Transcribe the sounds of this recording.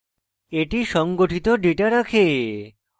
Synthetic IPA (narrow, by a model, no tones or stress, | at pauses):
eʈiʃɔŋɡoʈʰit̪oɖiʈaɾakʰe